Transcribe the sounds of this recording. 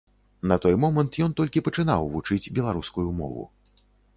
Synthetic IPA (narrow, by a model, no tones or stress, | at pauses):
nɐt̪ɔjmɔmɐnt̪jɔnt̪ɔlʲkʲipɐt͡ʂɨn̪a̰wvut͡ʂɨd͡zʲbʲɛlˠaɾuskujumɔ̰vṵ